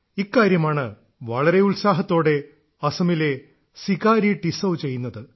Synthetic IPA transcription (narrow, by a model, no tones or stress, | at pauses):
ikːaːɾjɐmaːɳɨ | ʋɐɭɐɾe̞uɭsaːɦɐt̪ːo̞ːɽe̞ | ɐsɐmile̞ | sikaːɾiʈisɐwt͡ɕe̞jːunːɐðɨ